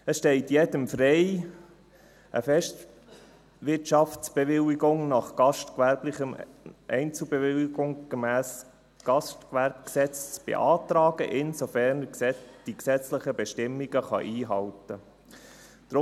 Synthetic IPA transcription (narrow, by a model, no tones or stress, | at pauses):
əsʃtɛɪtjɛdəmfrɛɪ | ʔə̰fɛʃt | ʋɪtɑftt͡sb̥ɛʋɪwiɡʊŋnɑχɡ̥ɑʃtkʋæɾblɪχəmʔɛɪnt͡subeʋɪliɡ̥ʊŋɡ̥əmæːs | ɡ̥ɑstkʋæɾb̚ksɛt͡st͡sb̥ḛʔɑːt̪ɾɑːɡ̥əʔɪnsofæɾnd̥iksɛt͡slɪχəbɛʃtɪmːiɡəχɑ̰ʔiːɦɑltə | d̥ɾʊ